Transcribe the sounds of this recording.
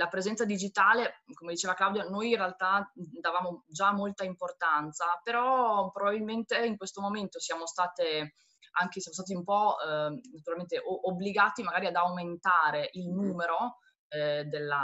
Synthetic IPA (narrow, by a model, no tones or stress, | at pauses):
lapɾezɛnt̪sad̪id͡ʒit̪aːlekomed̪it͡ʃeːvaklawd̪janojinrealt̪ad̪avaːmod͡ʒamːolt̪aimport̪ant̪sapeɾɔpɾobabilment̪eiŋkwest̪omoment̪osjaːmost̪aːt̪e | aŋkesjamost̪aːt̪iumpɔnat̪uɾalment̪eʔoobːliɡaːt̪imaɡaːɾiad̪awment̪aːɾeʔilnuːmeɾo | d̪elːa